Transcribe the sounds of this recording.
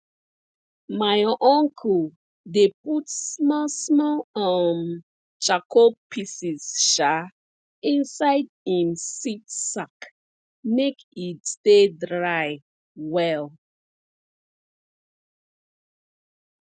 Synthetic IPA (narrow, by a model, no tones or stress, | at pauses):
maɪʔɔ̃ŋkʰul | deputsmɔsmɔlam | t͡ʃakʰopʰisisʃa | ĩnsaɪdhĩmsitsak | mekitstedɹaj | wɛl